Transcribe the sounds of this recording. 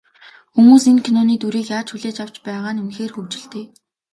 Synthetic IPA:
xumuːsenkʰinɔːniːt̪uɾiːkjaːt͡ɕxuɮeːt͡ɕaw̥t͡ɕpæːʁaːnunxeːrxɵwt͡ɕɪ̆ɮt̪eː

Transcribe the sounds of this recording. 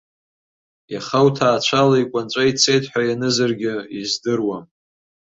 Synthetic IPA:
jaχawtʰaːt͡ɕʷʰalaikʷʼant͡ʃʷʼait͡sʰe̞jtʰʼħʷᶣajanɨzarɡʲɪizdɨrwam

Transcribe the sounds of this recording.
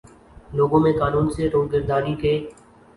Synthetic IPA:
loːɡõːmẽːkaːnuːnseːɾoːzɡəɾd̪aːɾiːkeː

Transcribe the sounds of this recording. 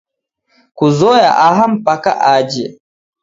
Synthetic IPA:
kuzɔja̰ʔaɦam̩pakaʔaːd͡ʒɛ

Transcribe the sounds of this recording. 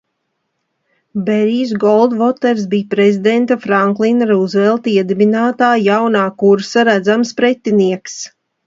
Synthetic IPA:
beɾiːsɡɔlˠd̪vɔt̪ɛɾs̬bijpɾezʲid̪ɛnt̪afɾaŋklˠinɾuzvɛlˠt̪iɛd̪ibinaːt̪aːjawnaːkuɾsaɾæd̪zamspɾɛt̪ːiniɛks

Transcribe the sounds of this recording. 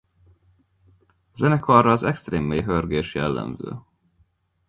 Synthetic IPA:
zɛnɛkɒrɒːzɛkst̪reːmːeːjɦørɡeːʃjɛlːɛ̰mzø̰ː

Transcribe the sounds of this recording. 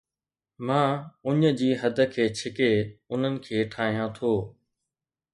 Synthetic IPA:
mãːʊɲə̆d͡ʑiːɦɐd̪ʱə̆kʰeːt͡ɕʰɪkeʊn̤ənɪ̆kʰeːʈʰaːɦijãt̪ʰoː

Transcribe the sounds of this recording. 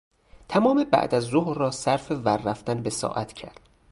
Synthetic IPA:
t̪ʰæmɒːmebæ̰ʔd̪æzːohrːɒːsæɾfevæɾːæft̪ænbesɒ̰ːʔæt̪ʰcʰæ̰ɾd̪̥

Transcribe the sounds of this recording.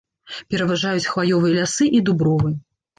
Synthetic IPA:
pʲɛɾɐvaʐajut͡sʲxvajɔvɨjɐlʲasɨʔid̪ubɾɔvɨjɐ

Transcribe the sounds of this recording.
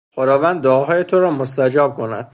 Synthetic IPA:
xod̪ɒːvænd̪ːoːɦɒːje̞t̪ʰoɾɒːmost̪æd͡ʒɒːb̥̚kʰo̞næ̰d̪̥

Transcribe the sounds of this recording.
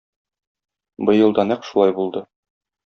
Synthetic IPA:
bɤ̆jɤ̆lˠd̪ɑnæqʃulˠɑjbulˠd̪ɤ

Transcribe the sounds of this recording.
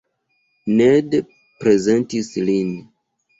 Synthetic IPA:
ned | pɾe̞zentislin

